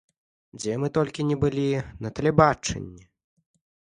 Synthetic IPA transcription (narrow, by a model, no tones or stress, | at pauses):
d͡zʲɛmɨt̪ɔlʲkʲinʲɛbɨlʲinɐt̪ɐlʲɛbat͡ʂɛ̰nʲːɛ